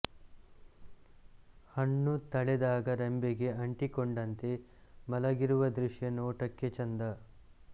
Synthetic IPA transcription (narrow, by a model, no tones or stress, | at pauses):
hɐɳːut̪ɐɭɛd̪aːɡɐɾembeɡe̞ɐɳʈikoɳɖɐnt̪e̞ | mɐlɐɡiɾuʋɐd̪ɾuʂjɐnoːʈɐkːet͡ʃɐnd̪ɐ